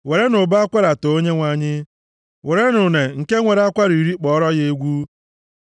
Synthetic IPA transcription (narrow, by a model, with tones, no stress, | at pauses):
we˨ɾe˦nʊ˨ba˦a˦kʷa˦ɾa˨to˨o˦ɲe˦ŋʷa˦ɲɪ˦ | we˨ɾe˦nʊ˨ne˨ŋ̩˨ke˦ŋʷe˨ɾa˦kʷa˦ɾi˨ɾi˦k͡pɔ˦ɔ˦ɾɔ˦ɣe˦e˦ɡʷu˦